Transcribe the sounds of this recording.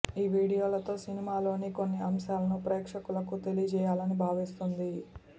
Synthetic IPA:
iːʋiːɽijo̞ːlɐt̪o̞ːsinimaːlo̞ːniko̞nːiɐmʃaːlɐnupɾɛːkʂɐkulɐkut̪e̞lijɐd͡ʒɛːjaːlɐnibʱaːʋist̪und̪i

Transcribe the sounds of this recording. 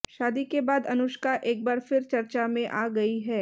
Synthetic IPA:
ʃaːd̪ikebaːd̪ɐnʊʃkaʔeːk̚baːɾfɪɾt͡ʃɐɾt͡ʃamẽʔaːɡɐiɦɛː

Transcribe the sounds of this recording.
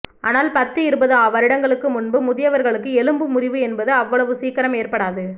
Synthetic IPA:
aːnaːlpɐt̪ːɯɪɾɯbɐðɯaːʋɐɾɪɽɐŋɡɐɭɯkːɯmʊnbɯmʊðɪjɐʋɐɾɣɐɭɯkːɯɛlɯmbɯmʊrɪʋɯɛnbɐðɯɐʋːɐɭɐʋɯsiːkɐɾɐmeːɾpɐɽaːðɯ

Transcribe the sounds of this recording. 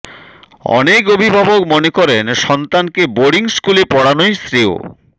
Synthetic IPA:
ɔ̰nekobʱibʱabokmonekɔɾenʃɔnt̪ankeboɽiŋskulepɔɽanojst̪ɾio̰

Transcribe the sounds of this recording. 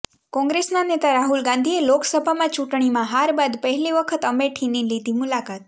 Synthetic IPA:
kɔ̃ŋɡɾesnanet̪aɾaɦulɡãnd̪ʱieloksəbʱamãt͡ʃuʈɳ̃imãɦaɾbad̪pəɦɛliʋəkʰət̪əmeʈʰinilid̪ʱimʊlakat̪̚

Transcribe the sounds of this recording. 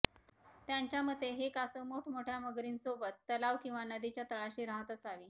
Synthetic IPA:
t̪jaɲt͡ɕjaməd̪ʱːeɦekasəmoʈʰmoʈʰjaməɡɾiːnsobət̪ːəlaʋkĩw̃ʋanəd̪it͡ɕjat̪əɭaɕiːɾaɦət̪əsaʋiː

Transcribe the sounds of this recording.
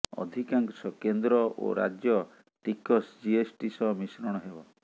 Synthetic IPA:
ɔ̰d̪ʱikaŋksɔkend̪ɾɔo̰ɾa̰d͡ʒjɔ | t̪ikɔsd͡ʒiesʈisɔmisɾɔɽ̃ɔɦebɔ

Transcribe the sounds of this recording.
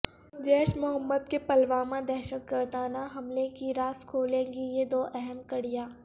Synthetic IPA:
d͡ʒɛːʃmʊɦəmːəd̪kepɐlʋaːmãd̪ɛːʃək̪̚ɡəɾd̪aːnaɦɐmlekiɾaːskʰoːlẽːɡijed̪oːʔɛɦɛnkəɽijaː

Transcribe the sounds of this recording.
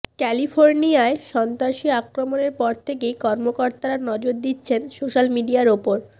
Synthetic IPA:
kɛlifʰoɾnijaeʃɔnt̪ɾaʃiakɾomoneɾpɔɾt̪ʰekejkɔɾmokoɾt̪aɾanɔd͡ʑoɾd̪itːɕʰensoʃalmiɖiaɾopoɾ

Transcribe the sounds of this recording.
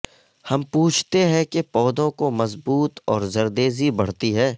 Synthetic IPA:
hɐmpuːt͡ʃʰt̪eɦɛ̃kepɔːd̪õkomɐzbuːt̪ɔːɾzɐɾd̪eːzibɐɽ̤t̪iɦɛː

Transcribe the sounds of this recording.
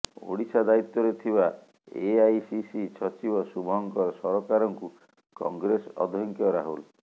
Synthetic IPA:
o̰ɽisad̪ait̪ːɔɾet̪ʰiba | eajsisit͡ʃʰɔt͡ʃibɔsubɔɦɔŋkɔɾsɔɾɔkaɾɔŋku | kɔ̰ŋɡɾesɔ̰d̪ʱɔŋkjɔɾaɦul

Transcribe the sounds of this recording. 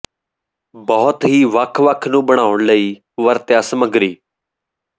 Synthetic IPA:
bɔːʊt̪ɦiːʋəkʰʋəkʰnũːɓəɽ̃aːʋʊɳləiː | ʋəɾt̪jaːsəməɡɾiː

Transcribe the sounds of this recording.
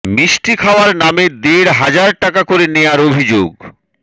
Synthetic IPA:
miʃʈikʰaoaɾnamed̪eɾɦad͡ʑaɾʈakakoɾenejaɾobʱid͡ʑoɡ

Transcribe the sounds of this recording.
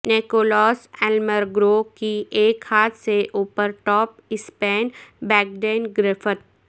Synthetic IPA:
neːkoːlɔːsɛːlməɾɡɾoːkieːkhaːt̪seʔuːpəɾʈɔːpɪspeːnbɛːk̚ɖeːnɡɾɪfʰət̪̚

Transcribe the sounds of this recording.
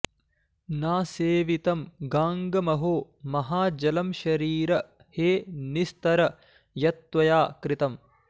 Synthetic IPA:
naːseːʋit̪ɐmɡaːŋɡɐmɐɦoː | mɐɦaːd͡ʒɐlɐmʃɐɾiːɾɐ | heːnist̪ɐɾɐ | jɐt̪ʋɐjaːkɾit̪ɐm

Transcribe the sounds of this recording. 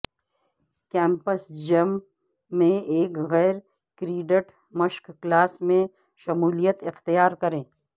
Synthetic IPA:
kɛ̃ːmpəsd͡ʒɐmː | ẽeːkɣɛːɾ | kɾiːɖəʈ | mɐʃkːlaːsmẽ | ʃɐmuːlijət̪ɪxt̪ijaːɾkɐɾẽː

